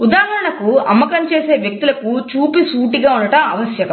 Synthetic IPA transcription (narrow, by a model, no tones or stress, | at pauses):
ud̪aːɦɐɾɐɳɐkuɐ̰mːɐkɐmt͡ʃeːseːʋjɐk̚t̪ulɐkut͡ʃuːpisuːʈiɡaːunːɐʈɐmɐʋɐsjɐkɐm